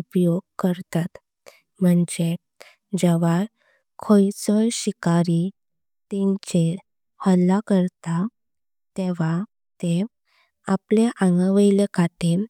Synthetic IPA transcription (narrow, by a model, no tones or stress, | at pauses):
upjoɡ̚kəɾt̪at̪ | m̤əɳd͡ʑe | d͡ʑɛʋa | kʰojt͡sɔjɕikaɾi | t̪eɲt͡ɕe | həlːakəɾt̪a | t̪eʋ̤a | t̪e | apleʔãŋɡə̃ʋəjlekʰat̪e